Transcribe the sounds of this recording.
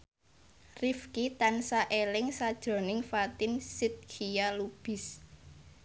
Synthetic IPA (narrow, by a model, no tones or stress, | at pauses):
rifkit̪ansaʔelɪŋsad̥ʒ̥ɾɔ̤nɪŋfat̪ɪnsit̪̚kʰijalub̥ɪ̤s